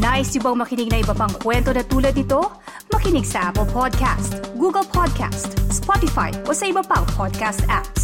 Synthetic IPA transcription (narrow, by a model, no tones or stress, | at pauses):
naːʔɪst̪jʊbɐŋmɐkɪnɪɡ̚nɐʔɪbɐpɐŋkwɛnt̪onɐt̪uːlɐd̪̚nɪt̪o̞ | mɐkɪnɪɡsɐʔapɛlpʰod̪̚kʰa̰st̪ɡuɡɐlpʰod̪̚kʰa̰st̪spɔt̪ɪfa̰jʔo̞sɐʔɪbɐpɐŋpʰod̪̚kast̪ʔaps